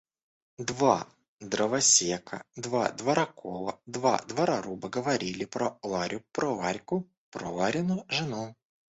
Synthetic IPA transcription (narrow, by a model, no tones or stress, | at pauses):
d̪va | d̪ɾɐvɐsʲekɐ̰d̪vad̪vɐɾɐkʰɔlˠɐd̪va̰d̪vɐɾɐɾubɐɡɐvɐɾʲilʲɪpɾɔlˠaɾʲʊpɾɔvaɾʲkʊ | pɾɔlaɾʲɪnʊʐɨnu